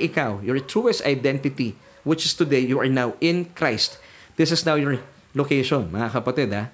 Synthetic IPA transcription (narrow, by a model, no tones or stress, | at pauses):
ʔɪkawjɔɹt̪ɹuːɛst̪a̰jd̪ɛ̃nt̪ɪt̪i | wɪt͡ʃɪst̪ʊd̪ejjuʔɐɹnawɪ̃nkɹajst̪ | d̥̪ɪsɪsnawjɔɹ | lokejʃonmɐŋakɐpɐt̪ɪd̪ha